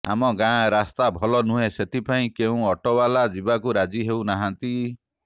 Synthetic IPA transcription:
a̰mɔɡãɾast̪abʱɔlɔnũɦeset̪ʰipʰaĩkeũɔʈɔbalad͡ʒibakuɾad͡ʒiɦewnaɦant̪i

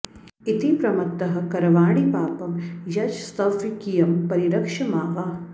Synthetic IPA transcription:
it̪ipɾɐmɐt̪ːɐɦɐ̆kɐɾɐʋaːɽipaːpɐmjɐd͡ʒst̪ɐʋikijɐmpɐɾiɾɐkʂɐmaːʋaː

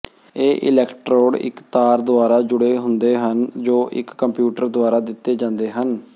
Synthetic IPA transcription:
eːʔɪ̰lɛːkʈɾoːɽɪ̰kt̪aːɾd̪ʊaːɾaːd͡ʒʊɽeːɦʊnd̪eːɦənd͡ʒoːʔɪ̰kːəmpjuːʈəɾd̪ʊaːɾaːd̪ɪt̪ːeːd͡ʒãːnd̪eːɦən

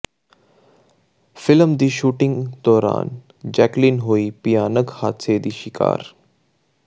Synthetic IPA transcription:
fɪləmd̪iːʃuːʈɪ̃ŋɡd̪ɔːɾa̰ːn | d͡ʒɛːklinɦoːiːpijaːnəkhaːt̪seːd̪iːʃɪka̰ːɾ

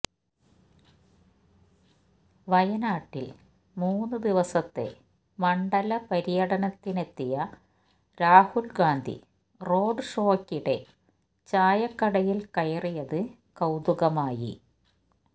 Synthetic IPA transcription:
ʋɐjɐnaːʈːil | muːnːɨd̪iʋɐsɐt̪ːe̞̰ | mɐɳɖɐlɐpɐɾijɐɽɐnɐt̪ːine̞t̪ːijɐ | ɾaːhulɡaːnd̪ʱḭ | ro̞ːɖɨʂoːkːiɽe̞ | t͡ɕaːjɐkːɐɽɐjilkɐjɐrijɐðɨ | kɐwd̪uɣɐmaːjḭ

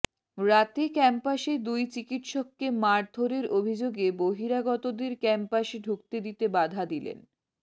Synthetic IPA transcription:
ɾat̪ekɛmpaʃed̪ujt͡ɕikiʈʃokːemaɾd̪ʱoɾeɾobʱid͡ʑoɡeboɦiɾaɡɔt̪od̪eɾkɛmpaʃɖʱuk̚t̪ed̪it̪ebad̪ʱad̪ilḛn

